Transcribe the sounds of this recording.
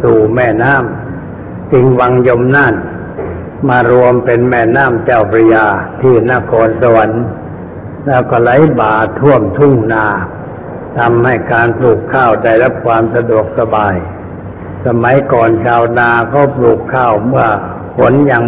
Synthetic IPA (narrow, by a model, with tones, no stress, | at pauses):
suː˨˩mɛː˧˩naː˥˨m | t͡ɕi˧ŋwa˧ŋjo˧mnaː˧˥˩n | maː˧ɾu˧əmpe˧nmɛː˧˩naː˥˩mt͡ɕaː˧˩wpʰɾa˧jaː˧t̪ʰiː˧˩na˧˥˨kʰɔː˧nsa˧˨a˨˦n | lɛː˦˥˩wkɔː˧˩la˨˦˥jbaː˨˩t̪ʰu˥˩əmt̪ʰu˧˥˩ŋnaː˧ | t̪ʰa˧mha˧˩jkaː˧npluː˨˩kʰːaː˧˥˩wda˧˩jɾa˦˥˩p̚kʰwaː˧msa˧du˨˩ək̚sa˧baː˨˧j | sa˧ma˨˦jkɔː˨˩nt͡ɕʰaː˧wnaː˧kʰa˧˥˩wpluː˨˩kʰːaː˧˥˩wmɯ˧˥˩ɐ | pʰo˧˦˥njaː˧ŋ